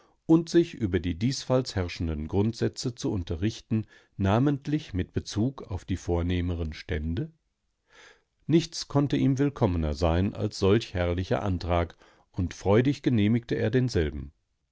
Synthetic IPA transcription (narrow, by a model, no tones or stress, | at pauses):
ʔʊntz̥ɪçʔyːbɐdiːdiːsfalshɛʁʃn̩dənɡʁʊntz̥ɛt͡sət͡suʔʊntɐʁɪçtn̩ | naːməntʰlɪçmɪt̚b̥ət͡suːkʰaʊfd̥iːfoːɐneːməʁənʃtɛndə | nɪçt͡skʰɔntəʔiːmvɪlkʰɔmənɐzaɪnʔa̰lsz̥ɔlçhɛɐlɪçɐ̰ʔa̰ntʁ̥aːk | ʔʊntfʁ̥ɔʏdɪçɡ̥əneːmɪktəʔeːɐdeːnzɛlbm̩